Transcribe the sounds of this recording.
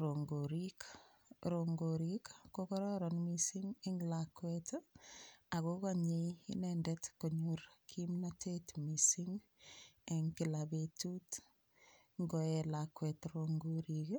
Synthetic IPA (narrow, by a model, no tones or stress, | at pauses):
ɾoŋɡoɾik | ɾoŋɡoɾikːokɔɾɔɾɔnmisiŋeŋlakwet | akokaɲeiḭnɛndɛtkoɲuɾkʰimnatʰetmisiŋ | eŋkilabetut | ŋɡɔɛlakwɛtɾoŋɡoɾik